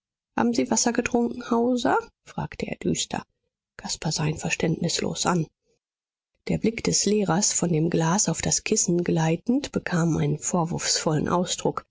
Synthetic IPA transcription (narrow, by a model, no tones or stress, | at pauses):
ha̰ːbm̩ziːvasɐɡətʁ̥ʊŋkŋ̩haʊzɐfʁ̥aːktʰəʔḛːɐdy̰ːstʰɐ̰ | kʰaspazaːɪnfɛɐʃtɛntnɪslo̰ːsʔan | d̥eːɐblɪkd̥ɛsleːʁɐsfɔndeːmɡlaːsaʊfd̥askʰɪsn̩ɡlaɪtn̩tb̥əkʰaːmʔa̰ɪnənfoːɐvʊɐfsfɔlə̰nʔa̰ʊsd̥ʁʊk